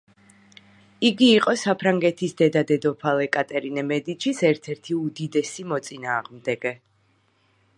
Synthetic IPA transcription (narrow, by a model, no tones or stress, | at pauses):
iɡiːqʼɔsapʰɾaŋɡɛt̪ʰisd̪ɛd̪ad̪ɛd̪ɔpʰalɛkʼat̪ʼɛɾinɛmɛd̪it͡ʃʰisɛɾt̪ʰɛɾt̪ʰiud̪id̪ɛsimɔt̪sʼinaːʁmd̪ɛɡɛ